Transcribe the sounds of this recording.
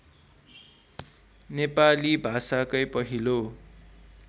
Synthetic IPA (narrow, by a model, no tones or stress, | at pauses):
nepalibʱasakʌjpʌɦilo